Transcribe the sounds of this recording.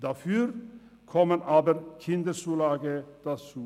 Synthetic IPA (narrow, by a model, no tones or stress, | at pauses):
d̪afyːɾ | kʰɔmənɑːbəɾkʰɪnd̪əɾsuːlɑːɡəd̪̥at͡suː